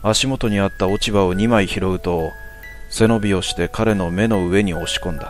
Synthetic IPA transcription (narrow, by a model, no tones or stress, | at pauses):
aɕimo̞t̪o̞ɲ̟iat̪ːao̞t͡ɕibao̞ɲ̟imaiçiɾo̞ɡɯ̟t̪o̞ | se̞no̞bʲio̞ɕi̥t̪e̞kaɾe̞no̞me̞no̞ɯ̟e̞ɲ̟io̞ɕi̥kõ̞nd̪a